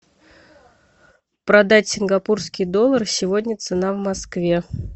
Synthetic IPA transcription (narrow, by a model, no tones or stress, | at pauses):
pɾɐd̪atʲsʲɪnɡɐpurskʲijd̪o̞lˠːərsʲɪvo̞dʲnʲət̪sɨnavmɐskvʲe̞